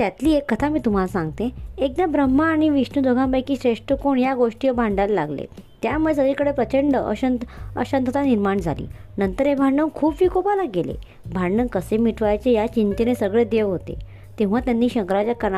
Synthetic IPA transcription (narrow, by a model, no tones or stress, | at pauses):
t̪jat̪liːekːət̪ʰamiːt̪um̤alasãŋɡ̚t̪ẽek̚d̪abɾəmːaːɽ̃iʋiʂnud̪ʱoɡʱãmpajkiːɕɾeʂʈəkoɳjaɡoʂʈijəbʱãɳɖalːla̰ɡlḛt̪jamues̬əɡɭikəɽepɾət͡ɕəɳɖəə̰ɕənt̪ə̰ɕənt̪ʰət̪aniɾmaɳd͡zʱa̰lḭːnənt̪əɾebʱaɳɖənkʰuːpʋikopalaɡelḛ | bʱaɳɖənkəsemiʈʰʋajat͡ɕejat͡ɕint̪enesəɡɭed̪eʋɦot̪ḛ | t̪ẽʋ̤at̪janːiːɕəŋkɾad͡ʑjakəɾ